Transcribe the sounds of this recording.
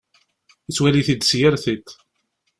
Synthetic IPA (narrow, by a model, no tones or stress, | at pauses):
it͡sːwæliθid̪sjəɾθit̪